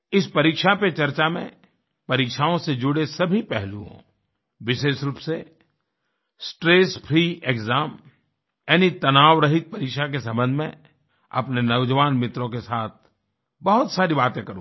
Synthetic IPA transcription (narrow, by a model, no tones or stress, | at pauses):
ɪspɐɾiːkʃapet͡ʃɐɾt͡ʃamḛ̃ | pɐɾiːkʃaõsed͡ʒʊɽesɐbʱipɛɦlũɦõ̰ | ʋɪʃeːʃɾuːpse | sʈɾeːspʰɾieːkɡzaːm | jɛːnit̪ɐnaːʋɾɐɦɪt̪̚pɐɾiːkʃak̬esɐ̃mbə̃nd̪ʱmḛ̃ | ɐ̰pnenɐʊd͡ʒəʋaːnmɪt̪ɾõkesaːt̪̚ʰ | bɐɦʊt̪saːɾibaːt̪ẽkɐɾũ